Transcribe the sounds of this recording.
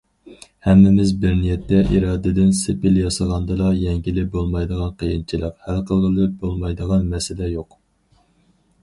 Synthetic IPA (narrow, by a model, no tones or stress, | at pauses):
hɛmːɪmɪzbɪɾnijɛt̪ʰːɛʔiɾɑːd̪ɪd̪ɪnsɪpɪljɑsɑʁɑnd̪ɨlˠɑjɛŋɡʲilɪbolˠmɑjd̪əʁɑnqʰəjint͡ʃʰilˠəqhælˠqʰəlˠʁəlˠɪp̚bolˠmɑjd̪əʁɑnmɛsɪlɛjoq